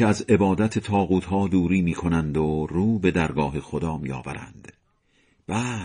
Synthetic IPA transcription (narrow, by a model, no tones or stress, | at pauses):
eæze̞bɒːd̪æt̪ʰet̪ʰɒːɣuːt̪hɒːd̪uːɾiːmiːkʰo̞nænd̪oruːbe̞d̪æɾɡɒːɦexod̪ɒːmiːɒ̰ːvæ̰ɾæ̰nd̪̥ | b̥æː